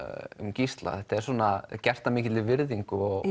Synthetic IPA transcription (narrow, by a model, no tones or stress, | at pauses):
ʏ̰mcist̪la̰θɛht̪aɛɾswɔːnacɛr̥t̪amɪːcɪt̪ɪvɪɾðiŋkʏɔɣ